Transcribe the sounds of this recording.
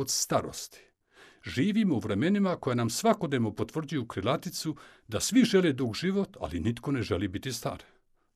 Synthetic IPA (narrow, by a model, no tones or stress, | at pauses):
ot̪st̪aɾo̰st̪i̥ | ʒiːʋiːmouʋɾeme̞nimako̞janamsʋako̞d̪neʋno̞po̞t̪ʋr̩d͡ʑujukɾilat̪it̪su | d̪asʋiʒe̞led̪uɡʒiʋot̪a̰linit̪ko̞neʒelibit̪ist̪a̰ɾe